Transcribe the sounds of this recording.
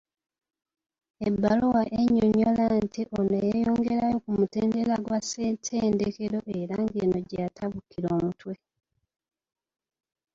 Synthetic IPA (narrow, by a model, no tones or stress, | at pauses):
ebːalowaʔeɲːoɲolantiʔonejejoːŋɡe̞ɾajo̞kumuteːndelaɡwasetʰeːndeke̞ɾo̞ʔe̞ɾaŋɡeːno̞ɟatʰaβukiɾo̞ːmutwe